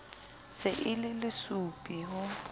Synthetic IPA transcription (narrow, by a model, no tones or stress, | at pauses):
sɪʔɪlɪlɪsupʼiɦʊ